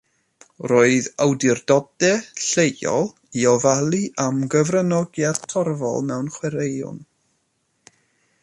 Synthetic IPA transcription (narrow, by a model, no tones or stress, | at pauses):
roːɨðawdɪrdɔdɛɬeɔ̰lˠ | iɔvalˠiʔamɡəvrənɔɡjadtʰɔrvɔ̰lˠmɛwnχwɛɾejʊ̰n